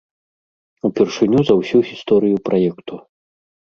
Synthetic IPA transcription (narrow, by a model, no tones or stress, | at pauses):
upʲɛrʂɨnʲuzɐwsʲuɣʲist̪ɔɾɨjupɾʔajɛkt̪u